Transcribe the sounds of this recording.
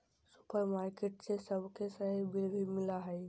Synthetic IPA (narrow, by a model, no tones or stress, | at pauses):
sʊ̥pəɾmaːɾkeʈsesəbʱkʰesəɦibɪlbʱimɪlaɦɛj